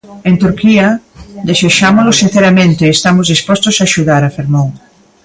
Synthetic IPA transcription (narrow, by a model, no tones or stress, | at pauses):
ent̪uɾkiad̪eseʃamolosĩn̟θeɾamẽnt̪eːst̪amozðispɔst̪osaːʃuðaɾafeɾmõŋ